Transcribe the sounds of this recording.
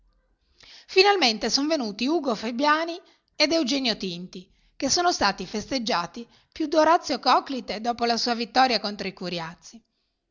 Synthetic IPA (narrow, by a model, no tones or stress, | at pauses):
finalment̪esonvenuːt̪iuːɡofebjaːni | ed̪ewd͡ʒɛːnjot̪int̪i | kesːoːnost̪aːt̪ifest̪ed͡ʒːaːt̪i | pjud̪oɾat̪sːjokɔklit̪ed̪ɔːpolasuːavit̪ːɔːɾjakont̪ɾoikuɾjat̪sːi